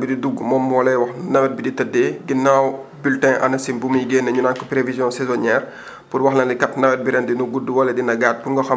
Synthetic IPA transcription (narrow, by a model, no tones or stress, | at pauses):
bididuɡmɔːmːwɔlɛwɐxnɐwɛt̚biditɐdːeɡinːawbyltɛ̃ʔɐ̰nɐsinbumjɡeːnːɐɲunaːnkɔpɾevizjɔ̃sɛzɔɲɛːr | purwɐxlɐndikɐtnɐwɛt̚biɾɛndinuɡuduwɔlɛdinɐɡaːt̚punŋɡɔxɐ